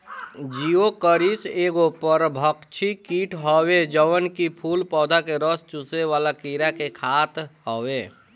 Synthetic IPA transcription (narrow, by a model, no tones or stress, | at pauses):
d͡ʒiokəɾiseːɡopəɾbʱəkt͡ʃʰikiːʈʰɦɔwed͡ʒəʋənkipʰuːlpɔːd̪ʱakeɾəst͡ʃuseʋaːlakiɾakekʰaːt̪ɦɔwe